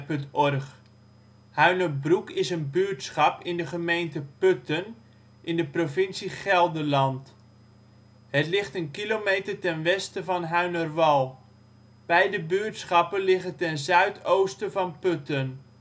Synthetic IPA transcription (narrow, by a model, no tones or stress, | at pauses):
pɵntɔrχ | hœɥnəbrukɪsənbyəɹtsχɑpɪndəχəmejntəpøtən | ʔɪndəprovɪnsiχɛlˠdərlɑnt | hətlɪχtənkilomejtərtɛnʋɛstəvɑnɦœɥnərʋɑlˠ | b̥ɛjdəbyəɹtsχɑpənlɪχətɛnzœɥtʰowstəvɑnpøtən